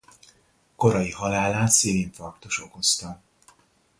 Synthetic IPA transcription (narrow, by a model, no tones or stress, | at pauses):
ko̞ɾɒjihɒlaːlaːt̪siːliɱfɒrt̪oʃo̞ko̞st̪ɒ